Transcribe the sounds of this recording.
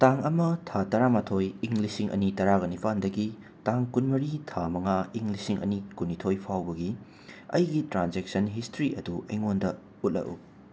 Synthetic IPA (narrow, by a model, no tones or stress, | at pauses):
taŋɐmɐtʰatɐɾamatʰojiŋlisiŋʔɐ̰nitɐɾaɡɐnipʰandɐɡi | taŋkunmɐɾitʰamɐŋaiŋlisiŋʔɐ̰nikunitʰojpʰawbɐɡi | ɐ̰jɡitɾanzek̚sɐnɦistɾiʔɐ̰duʔeŋondɐ | ut̚lɐ̰ʔṵ